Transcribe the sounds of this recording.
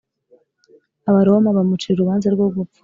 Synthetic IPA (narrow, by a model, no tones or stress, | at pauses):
aβaɾomaβamut͡ʃiɾeɾuβaːnzaɾɡoɡufḁ